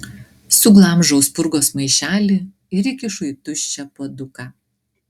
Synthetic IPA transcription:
sʊɡlˠɑˑmʒɐʊspʊɾɡoːsmɐɪʃʲæːlʲɪ | ɪɾɪkʲɪʃʊjt̪ʊʃʲt͡ʃʲɛpod̪ʊkɑː

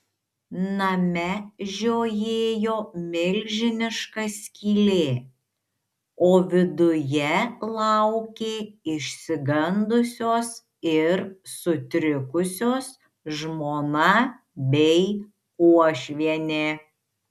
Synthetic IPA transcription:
nɐmʲɛʒʲoːjeːjoːmʲɪlʲɡʒʲɪnʲɪʃkɐsʲkʲiːlʲeː | oːʋʲɪd̪ʊjɛlˠɑʊkʲeːɪʃʲsʲɪɡɐnd̪ʊsʲoːs | ɪɾsʊt̪ʲɾʲɪkʊsʲoːs | ʒmoːnɐ | bʲɛɪ | kuɔʃʲʋʲiɛnʲeː

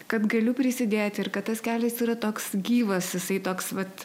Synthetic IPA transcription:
kɐt̪ɡɐlʲʊpʲɾʲɪsʲɪd̪ʲeːt̪ʲɪrkɐt̪t̪ːɐskʲæːlʲɛsiːɾɐt̪oːksɡʲiːʋɐsjɪsɐɪt̪oːksʋɐt̪

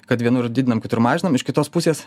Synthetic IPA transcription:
kɐt̪ʋʲiɛnʊɾdʲid̪ʲɪnɐmkʲɪt̪ʊɾmɑːʒʲɪnɐmɪʃkʲɪt̪oːspʊsʲeːs

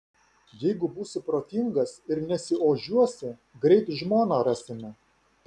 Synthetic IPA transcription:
jɛɪɡʊbuːsʲɪpɾoːt̪ʲɪŋɡɐsɪɾnʲɛsʲɪoːʒʲuɔsʲɪ | ɡɾʲɛɪt̪ʒmoːnɑɾɑsʲɪmʲɛ

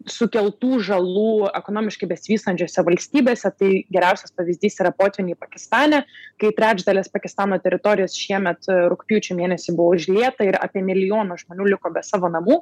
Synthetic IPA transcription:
sʊkʲɛlˠt̪uːʒɐlˠuːɛkoːnoːmʲɪʃkɐɪbʲɛsʲɪʋʲiːst̪ɐnʲt͡ʃʲoːsʲɛʋɐlʲsʲt̪ʲiːbʲeːsʲɛt̪ɐɪɡʲɛɾʲæʊsʲɛspɐʋʲɪzʲd̪ʲiːsiɾɐpoːt̪ʲʋʲɪnʲɪːpɐkʲɪst̪ɑːnʲɛkɐɪt̪ʲɾʲæːd͡ʒd̪ɐlʲeːspɐkʲɪst̪ɑːnoːt̪ʲɛɾʲɪt̪oːɾʲɪjoːsʃʲiɛmʲɛt̪ɾʊkpʲɪjuːt͡ʃʲɛmʲeːnʲɛsʲɪbʊʋoːʒʲlʲeːt̪ɐɪɾɑ̰ːpʲiɛmʲɪlʲɪjoːnoːʒmoːnʲuːlʲɪkoːbʲɛsɑːʋoːnɐmuː

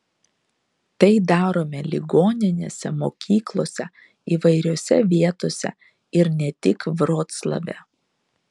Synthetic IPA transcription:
t̪ɐɪd̪ɑːɾoːmʲɛlʲɪɡoːnʲɪnʲḛːsʲɛmoːkʲʰiːklˠoːsʲɛ | iːʋɐɪɾʲoːsʲɛ̰ʋʲiɛt̪oːsʲɛ̰ | ɪɾnʲɛt̪ʲɪkʋɾoːt̪slˠɐ̰ʋʲɛ̰

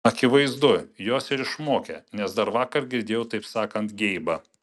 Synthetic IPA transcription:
ɐkʲɪʋɐɪzd̪ʊjoːsɪɾɪʃmoːkʲɛnʲɛsd̪ɐɾʋɑːkɐɾɡʲɪɾʲd̪ʲeːjɛʊt̪ɐɪpsɑːkɐnt̪ɡʲɛɪbɐ

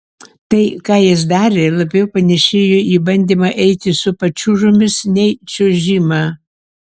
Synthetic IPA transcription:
t̪ɐɪkɑːjɪs̬d̪ɑːɾʲeːlˠɐbʲɛʊpɐnʲɛʃʲeːjoʔiːbɐnʲd̪ʲiːmɐʔɛɪt̪ʲɪsʊpɐt͡ʃʲuʒʊmʲɪsnʲɛɪt͡ʃʲoʒʲiːmɑː

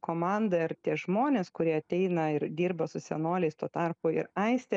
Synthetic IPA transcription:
koːmɑnd̪ɐɪɾt̪ʲiɛʒmoːnʲeːskʊɾʲiɛɐt̪ʲɛɪnɐɪɾd̪ʲiːɾbɐsʊsʲɛnoːlʲɛɪst̪oːt̪ɑrpoːɪ̰ɾɐɪsʲt̪ʲɛ

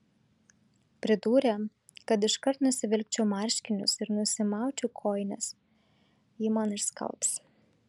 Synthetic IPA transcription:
pʲɾʲɪd̪uːɾʲɛ | kɐt̪ɪʃkɐɾt̪nʊsʲɪʋʲɪlʲk̚ʲt͡ʃʲɛʊmɑˑɾʲʃʲkʲɪnʲʊ̰sɪɾnʊsʲɪmɑˑʊt͡ʃʲʊkʰoːɪnʲɛs | jiːmɑnɪʃskɐ̰lˠps

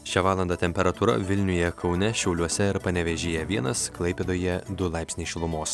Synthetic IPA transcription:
ʃʲɛʋɑːlˠɐnd̪ɑːt̪ʲɛmʲpʲɛɾɐt̪uːɾɐ̰ʋʲɪlʲnʲʊjɛkʰɒʊnʲɛʃʲɛʊlʲuɔsʲɛɪɾpɐnʲɛʋʲɛʒʲeːjɛʋʲiɛnɐsklˠɐɪpʲeːd̪oːjɛd̪ʊlˠɑɪpsʲnʲɪʃʲɪlˠʊmoːs

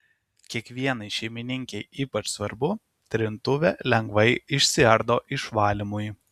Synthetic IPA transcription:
kʲiɛkʋʲiɛnɐɪʃʲɛɪmʲɪnʲɪŋʲkʲɛɪiːpɐt͡ʃsʋɐɾbʊ | t̪ʲɾʲɪnt̪ʊʋʲeːlʲɛŋɡʋɐɪɪʃʲsʲɪɐɾd̪oːʔɪʃʋɑːlʲɪmʊj

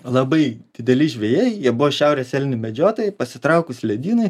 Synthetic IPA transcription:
lˠɐbɐɪdd̥ʲɪd̪ʲɛlʲɪʒʲʋʲɛjeːjjiɛbʊʋɔʃʲɛˑʊɾʲeːsʲɛlʲnʲɪmʲɛd͡ʒʲoːt̪ojpɐsʲɪt̪ɾɐʊkʊsʲlʲɛd̪ʲiːnɐɪ

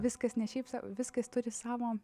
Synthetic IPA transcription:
ʋʲɪskɐsnʲɛʃʲɛɪpsɑkːʋʲɪskɐst̪ʊɾʲɪsɑːʋoː

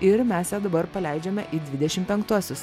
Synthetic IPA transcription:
ɪɾmʲæsjæːd̪ɐbɐɾpɐlʲɛɪd͡ʒʲɛmʲɛʔiːd̪ʲʋʲɪd̪ʲɛʃʲɪmpʲɛŋkt̪uɔsʲʊs

